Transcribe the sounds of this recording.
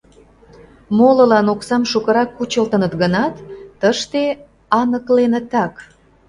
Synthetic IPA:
molə̆lɑnoksɑmʃukə̆ɾɑkːut͡ɕəlt̪ənət̪ɣənɑt̪ːəʃt̪e | ɑnəklenə̆t̪ɑk

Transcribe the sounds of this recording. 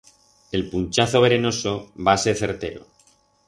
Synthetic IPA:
e̞lpunt͡ʃaθo̞β̞e̞ɾe̞no̞so̞βaːse̞ɾθe̞ɾt̪e̞̰ɾo̰

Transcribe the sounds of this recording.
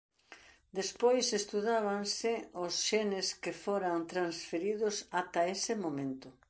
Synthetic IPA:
d̪espojsest̪uðaβansɪʊsʃenɪskɪfoɾant̪ɾansfeɾið̞ʊsat̪aesɪmomẽnt̪ʊ

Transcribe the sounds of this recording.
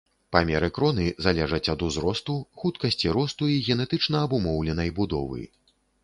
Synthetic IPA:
pamʲɛɾɨkɾɔnɨzalʲɛʐɐt͡sʲɐd̪uzɾɔst̪uxut̪kɐsʲt͡sʲiɾɔst̪uiɣʲɛnɛt̪ɨt͡ʂnɐːbumɔwlʲɛnɐjbud̪ɔ̰vɨ̰

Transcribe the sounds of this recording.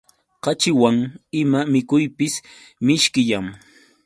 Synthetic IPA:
qɑt͡ʃɪwaŋɪmamɪkʊjpɪs | mɪʃkɪʎaŋ

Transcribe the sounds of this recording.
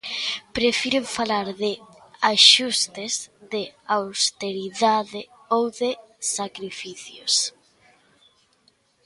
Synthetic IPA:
pɾefiɾeɱfalaɾðɪ | aʃust̪ezðeawst̪eɾiðaðe | owðe | sakɾifiθjos

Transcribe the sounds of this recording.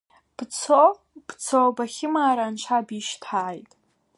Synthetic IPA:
b̥t͡sʰo | b̥t͡sʰobaχʲɪmaːɾant͡ʃʷʰabiʃtʰaːjtʼ

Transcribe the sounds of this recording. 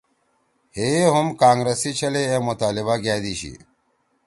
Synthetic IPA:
heɦumkaːŋɡɾesit͡ɕʰɐleemʊt̪aːliβaɡaːd̪iːɕḭ

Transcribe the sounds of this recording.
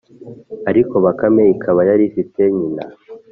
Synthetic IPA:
aɾiko̞βakameikʰaβajaɾifiteɲina̰

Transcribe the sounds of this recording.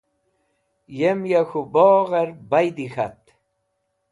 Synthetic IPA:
jemjaxuboːɣaɾbajd̪ixat̪

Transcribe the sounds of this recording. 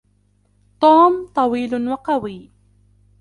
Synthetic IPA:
t̪ˤuːmt̪ˤɑwiːlʊnwɑqɑwiː

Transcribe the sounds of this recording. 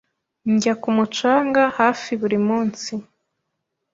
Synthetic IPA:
ɲɟakumut͡ʃaːŋɡahaːfiβuɾimuːnsi

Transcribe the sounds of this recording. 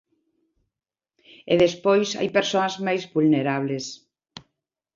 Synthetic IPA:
eðespojsa̰jpeɾsoazmajzβulneɾaβles

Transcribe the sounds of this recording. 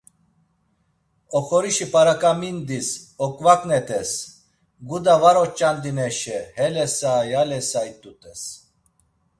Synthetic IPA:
ɔχɔɾiʃipʼaɾakʼamind̪isɔkʼvakʼnɛt̪ʼɛs | ɡud̪avaɾɔt͡ʃʼand̪inɛʃɛhɛlɛsajalɛsajt̪ʼut̪ʼɛs

